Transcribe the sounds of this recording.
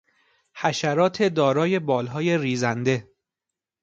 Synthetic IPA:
hæʃæɾɒːt̪ʰe̞d̪ɒːɾɒːje̞bɒːlɦɒːje̞riːzænd̪e̞

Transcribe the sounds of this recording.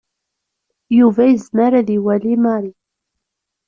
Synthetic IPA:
juvæjəzmaɾæðiwælimaɾi

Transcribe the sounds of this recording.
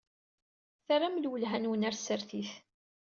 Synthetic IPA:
θarˤamlwəlɦænwənæɾsəɾθiθ

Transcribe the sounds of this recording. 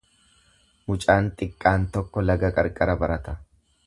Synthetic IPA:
mʊt͡ʃʼaːnt̪ʼɪkʼːaːnt̪ɔkːɔlɐɡɐkʼɐɾkʼɐɾɐbɐɾɐt̪ɐ

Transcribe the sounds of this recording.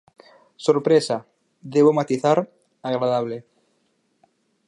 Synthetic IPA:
soɾpɾesa | ðeβomat̪iθaɾ | aɣɾaðaβ̞le

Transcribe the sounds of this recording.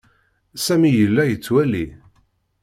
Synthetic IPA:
sæmijəlːæjət͡sːwæli

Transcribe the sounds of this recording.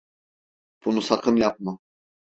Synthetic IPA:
b̥unusakʰɯnjap̚mɯ

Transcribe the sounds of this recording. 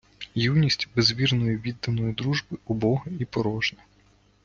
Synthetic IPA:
jiwnʲisʲtʲbezʋʲirnɔjʊʋʲid̪ːɐnɔjʊd̪ɾuʒbɪʊbɔɦɐipɔɾɔʒnɛ

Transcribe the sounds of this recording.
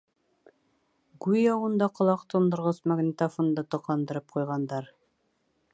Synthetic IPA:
ɡʉjɑwɤ̆nd̪ɑqŏlˠɑqt̪ŏnd̪ɤ̆ɾʁɤsmaɡnʲit̪afond̪ɤt̪ŏqɑnd̪ɤ̆ɾɤp̚qujʁɑnd̪ɑɾ

